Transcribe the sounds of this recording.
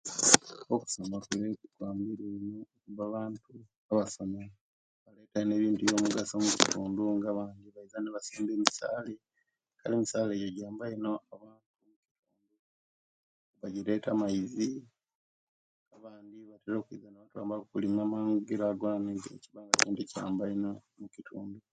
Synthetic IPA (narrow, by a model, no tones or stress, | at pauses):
oku̥somakulekukwaːmbiɾenoːkuβaβaːntu | aβaso̞me | βale̞ːtaine̞ːβiːntujo̞ːmuɡasomuci̥tuːnduŋɡaβaːndiβaizaneβasiːmbe̞ːmisa̰ːle | kʰalimisaːleɟoɟaːmbaino̞aβaːnt̚umuci̥tʰuːndu | βaɟile̞tamaizi | ŋɡaβaːndiβateɾo̞ːkuḭzaneβatwa̰ːmbakukulimaːmaːŋɡuɡiɾaɡalaneːntḛciβaːŋɡaciːntuca̰ːmbaino̞ | mucitʰṵːndu